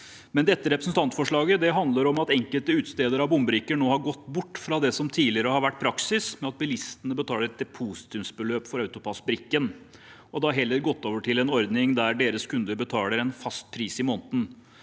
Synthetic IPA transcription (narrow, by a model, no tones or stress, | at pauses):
mɛnd̪ɛt̪ːəɾɛpɾəsnt̪ʰɑnt̪fɔʂɭɑːɡəd̪ɛɦɑnd̪ləɾɔmɑt̪ɛŋkəlt̪əʉːt̪st̪eːd̪əɾɑʋbʊmbəɾɪkːəɳoːhɑɾɡɔt̪ːbʊʈːfɾɑd̪ɛsɔmt̪ʰiːlɪəɾəhɑɾʋæʈːpʰɾɑksɪsmɛɑt̪̚bɪlɪst̪ənəbət̪ʰɑːləɾɛt̪d̪ɛpʰuːsɪ̥t̪ʰɪʋsbəløːpfɔɾɑʉt̪ʊpʰɑsbɾɪkːən | ɔd̪ɛɑɦɛlːəɾɡɔt̪ːoːʋəʈʰɪlɛnɔɾd̪nɪŋd̪æɾɖeːɾəskʰʉnd̪əɾbət̪ʰɑːləɾɛnfɑst̪̚pʰɾiːsɪmoːnt̪n̩